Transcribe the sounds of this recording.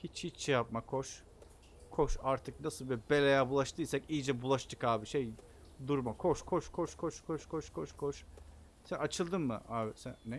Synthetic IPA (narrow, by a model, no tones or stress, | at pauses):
hit͡ʃhit͡ʃt͡ʃɛjap̚makʰoʃ | kʰoʃaɾt̪ʰɯk̚nasɯlˠbibelʲejabulˠaʃt̪ʰɯjsacijd͡ʒɛbulˠaʃt̪ʰɯkaːbiʃej | d̪uɾmakʰoʃkʰoʃkʰoʃkʰoʃkʰoʃkʰoʃkʰoʃkʰoʃ | sænat͡ʃʰɯlˠd̪ɯnmɯ̰aːbisænːɛ